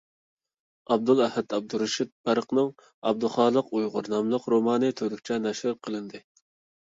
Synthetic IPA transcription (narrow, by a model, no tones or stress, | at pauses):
ɑb̚d̪ulˠɛhɛd̪ɑb̚d̪uɾuʃɪt̪̚b̥æɾqnɨŋ | ɑ̰b̚d̪uχɑːlˠəqujʁʊɾnɑmlˠəqɾomɑːnɨt̪ʰød̪ykʲt͡ʃʰɛnɛʃhɨɾqʰəlˠɨnd̪ɨ